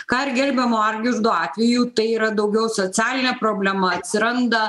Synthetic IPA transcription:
kɑːɪɾɡʲɛlʲbʲɛmoːɑɾʲɡʲɪʒd̪oːɑːt̪ʲʋʲɛjuːt̪ɐɪiːɾɐd̪ɐʊɡʲɛʊsoːt̪ʲæːlʲɪnʲɛpɾoːbʲlʲɛmɐɐt̪ʲsʲɪɾɐnd̪ɐ

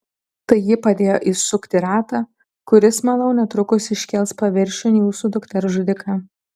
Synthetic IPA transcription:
t̪ɐɪjɪpɐd̪ʲeːjoːʔisʊkt̪ʲɪɾɑːt̪ɑː | kʊɾʲɪsmɐlˠɐʊnʲɛt̪ɾʊkʊsɪʃʲkʲɛlˠspɐʋʲɪɾʲʃʲʊnʲːjuːsuːd̪ʊkt̪ʲɛɾʒʊd̪ʲɪkʰɑː

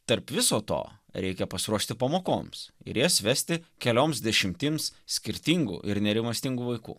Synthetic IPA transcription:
t̪ɐɾpʋʲɪsoːt̪o̰ːɾʲɛɪkʲɛpɐsʲɪɾuɔʃʲt̪ʲɪpɐmoːko̰ːmsɪ̰ɾjiɛsʋʲæsʲt̪ʲɪkʲɛlʲoːmsd̪ʲɛʃʲɪmʲt̪ʲiːmssʲkʲɪɾʲt̪ʲiŋɡṵːʔɪɾnʲɛɾʲɪmɐst̪ʲɪŋɡuʋɐɪkṵː

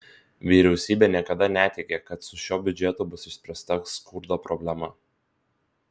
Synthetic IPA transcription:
ʋʲiːɾʲɛʊsʲiːbʲeːnʲiɛkɐd̪ɐnʲæt̪ʲɛɪkʲeːkɐt̪sʊʃʲoːbʲʊd͡ʒʲɛt̪uːbʊsɪʃʲsʲpʲɾʲɛst̪ɐskʊɾd̪oːpɾɔbʲlʲɛmɐ

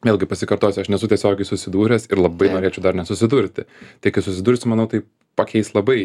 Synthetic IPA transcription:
ʋʲeːlʲˠɡʲɪpɐsʲɪkɐɾt̪oːsʲɪɐʃnʲɛsʊt̪ʲɛsʲoːɡʲɛɪsʊsʲɪd̪uːɾʲɛsɪɾlˠɐbɐɪnoːɾʲeːt͡ʃʲɛʊd̪ɐɾnʲɛsʊsʲɪd̪ʊɾʲt̪ʲɪt̪ɐɪkɐɪsʊsʲɪd̪uːɾʲsʲɪmɐnɐʊt̪ɐɪ | pɐkʲʰɛɪslˠɐbɐɪ

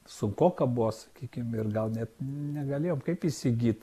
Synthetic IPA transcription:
sʊŋkoːkɐbuʋosɐ̥kʲiːkʲɪmɪrɡɐlˠnʲɛt̪nʲɛɡɐlʲeːjoːmkɐɪpisʲɪɡʲiːt̪

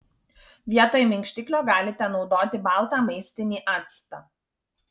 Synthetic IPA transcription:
ʋʲiɛt̪oːjmʲɛŋʲkʃʲt̪ʲɪklʲoːɡɑːlʲɪt̪ʲɛnɒʊd̪oːt̪ʲɪbɑˑlˠt̪aːmɐɪsʲt̪ʲɪnʲiːʔɑt̪st̪ɑ

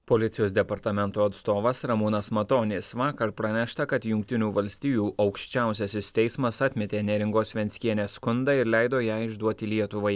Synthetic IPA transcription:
poːlʲɪt̪sʲɪjoːsd̪ʲɛpɐɾt̪ɐmʲɛnt̪uːɐt̪st̪oːʋɐsɾɐmuːnɐsmɐt̪oːnʲɪsʋɑːkɐɾpɾɐnʲɛʃt̪ɐkɐt̪jʊŋʲk̚t̪ʲɪnʲuːʋɐlʲsʲt̪ʲiːjuːʔɐʊkʃʲt͡ʃʲæˑʊsʲɛsʲɪst̪ʲɛɪsmɐsɐt̪ʲmʲɛt̪ʲeːnʲɛɾʲɪŋɡoːsʲʋʲɛnʲsʲkʲiɛnʲeːskʊnd̪ɑːɪɾlʲɛɪd̪oːjæːɪʒd̪uɔt̪ʲɪlʲiɛt̪ʊʋɐɪ

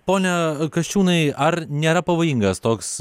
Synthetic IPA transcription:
poːnʲɛkɐʃʲt͡ʃʲuːnɐɪɐɾnʲeːɾɐpɐʋoːjiŋɡɐst̪oːks

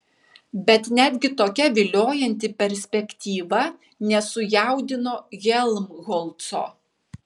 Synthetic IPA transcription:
bʲɛt̪nʲæːd̪ʲɡʲɪt̪oːkʲɛʋʲɪlʲoːjɛnʲt̪ʲɪpʲɛɾʲsʲpʲɛkʲt̪ʲiːʋɐ | nʲɛsʊjæˑʊd̪ʲɪnoːɣʲɛlˠmɣɔlˠt̪so̰ː

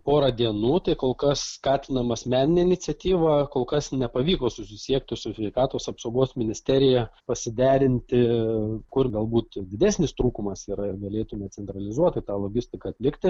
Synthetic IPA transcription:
poːɾɐd̪ʲiɛnuːt̪ɐɪkoːlˠkɐsskɑːt̪ʲɪnɐmɐsʲmʲæːnʲɪnʲeɪnʲɪtsʲɛt̪ʲiːʋɑkoːlˠkɐsnʲɛpɐʋʲiːkoːsʊsʲɪsʲiɛk̚t̪ʲɪsʊsʲʋʲɛɪkɑːt̪oːsɐpsoʊɡoːsmʲɪnʲɪsʲt̪ʲæɾʲɪjɛpɐsʲɪd̪ʲæːɾʲɪnʲt̪ʲɪkʊrɡɐlˠbuːt̪dʲɪd̪ʲæːsʲnʲɪst̪ɾuːkʊmɐsiːɾɐɪrɡɐlʲeːt̪ʊmʲɛt͡ssʲɛnt̪ɾɐlʲɪzuɔt̪ɪt̪ɑːlˠoːɡʲɪsʲt̪ʲɪkɐːt̪ʲlʲɪkt̪ʲɪ

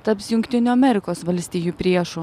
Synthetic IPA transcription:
t̪ɐpsjʊŋʲkʲt̪ʲɪnʲuːɐmʲɛɾʲɪkoːsʋɐlʲsʲt̪ʲiːjuːpʲɾʲiɛʃʊ

